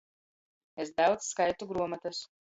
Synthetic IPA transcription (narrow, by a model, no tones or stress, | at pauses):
es̬d̪awd̪zskajt̪uɡɾuɔmat̪ɐs